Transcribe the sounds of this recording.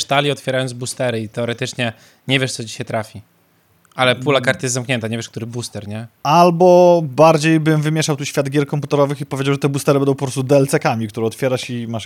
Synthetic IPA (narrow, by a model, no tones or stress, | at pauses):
ʂt̪alʲiɔt̪fʲjɛɾajɔnd̪zbust̪ɛɾɘit̪ɛɔɾɛt̪ɘt͡ʂɲɛ | ɲɛvʲjɛʂt̪sɔd͡ʑiɕɛt̪ɾafʲi | alɛpulakaɾt̪jɛst̪zamkɲɛnt̪aɲevjɛʂkt̪uɾɘbust̪ɛɾɲɛalbɔbaɾd͡ʑejbɘmvɘmʲjeʂawt̪uɕfʲjad̪ɡʲɛɾkɔmput̪ɛɾɔvɘxipɔvʲjed͡ʑawʐɛt̪ɛbust̪ɛɾɘbɛnd̪̃w̃pɔpɾɔst̪ud̪ɛlt̪sɛkamʲikt̪uɾɛɔt̪fʲjɛɾaɕimaʂ